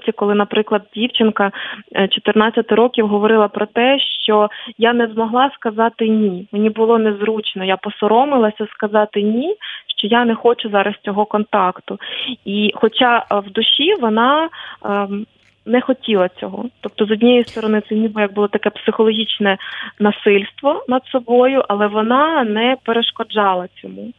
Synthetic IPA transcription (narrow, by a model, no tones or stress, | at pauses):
tʲikɔlˠɪnɐpɾɪklˠɐd̪̚dʲiwt͡ʃɪnkɐt͡ʃɔt̪ɪrnɑt͡sʲːɐt̪ɪɾɔkʲiwɦɔʋɔɾɪlˠɐpɾɔt̪ɛʃt͡ʃɔjanɛzmɔɦlˠɑskɐzɑt̪ɪnʲimenʲibʊlˠɔnɛzɾut͡ʃnɔjapɔsɔɾɔmɪlˠɐsʲɐskɐzɑt̪ɪnʲiʃt͡ʃɔjanɛxɔt͡ʃʊzɑɾɐst͡sʲɔɦɔkɔnt̪ɑkt̪ʊixɔt͡ʃɑwd̪ʊʃiʋɔnɑ | nɛxɔtʲilˠɐt͡sʲɔɦɔ̰t̪ɔp̚t̪ɔzɔdʲnʲijist̪ɔɾɔnɪt̪sɛnʲibjɐɡ̚bʊlˠɔt̪ɐkɛpsɪxɔlˠɔɦʲit͡ʃnɛnɐsɪlʲst̪ʋɔnɐd̪sɔbɔjʊʔɐlˠɛʋɔnɑnɛpeɾeʃkɔd͡ʒɑlˠɐt͡sʲɔmu